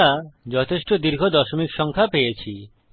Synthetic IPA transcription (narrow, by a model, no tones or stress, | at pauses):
ad͡ʑɔt̪ʰeʃʈod̪iɾɡʱod̪ɔʃomikʃɔŋkʰapejet͡ɕʰi